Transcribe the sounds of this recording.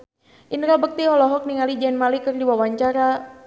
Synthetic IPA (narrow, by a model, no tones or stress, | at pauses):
ʔinɾabək̚t̪iɦɔlɔɦɔk̚niŋalid͡ʒɛnmalikərdiwawaɲt͡ʃaɾa